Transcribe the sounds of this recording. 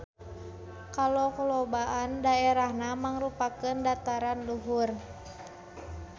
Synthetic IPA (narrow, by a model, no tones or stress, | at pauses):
kalokɔlobaʔandaeɾahnamaŋrupakəndat̪aɾanluɦur